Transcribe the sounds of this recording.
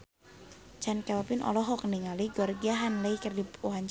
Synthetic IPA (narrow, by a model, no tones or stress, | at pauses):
t͡ʃankawpɪnʔɔ̰lɔɦɔkəniŋaliɡɔrɡiaɦanləikərdipuɦaɲt͡ʃ